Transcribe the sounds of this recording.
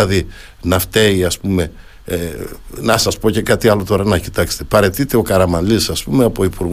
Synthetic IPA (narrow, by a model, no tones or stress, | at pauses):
ɐði | nɐft̪e̞iɐspume̞ | nɐsɐspo̞ce̞kɐt̪iɐlo̞t̪o̞ɾɐnɐci̥t̪ɐkse̥t̪e̞pɐɾe̞t̪it̪e̞o̞kɐɾɐmɐnlisɐspumeɐpo̞ipuɾɣ